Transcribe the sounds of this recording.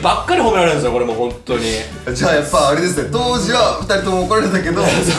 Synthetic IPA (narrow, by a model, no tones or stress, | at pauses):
bakːaɾihomʲeɾaɾeɯ̃nsnoko̞ɾe̞mo̞hõ̞nt̪o̞ɲ̟i | d͡ʑaːjapːaːɾe̞d̪e̞s̬ɨne̞t̪o̞ːd͡ʑiβaɸɯ̟t̪aɾʲit̪omokoɾaɾet̪ake̞d̪o̞